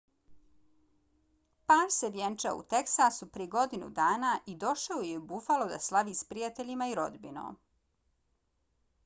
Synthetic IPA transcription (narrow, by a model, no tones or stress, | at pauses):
paːɾseʋjent͡ʃaṵt̪eksasupɾieɡo̞d̪inṵd̪aːnaːʔid̪o̞ʃaojebufalo̞d̪aslˠaʋiːspɾijat̪eʎimaiɾo̞̰d̪bino̰ː